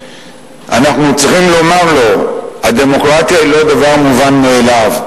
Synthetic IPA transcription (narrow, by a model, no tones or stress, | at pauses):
a̰naχnut͡siχimlo̞maʁlo̞had̪e̞mo̞kʁat̪jailo̞d̪avaʁmuvanmeːlav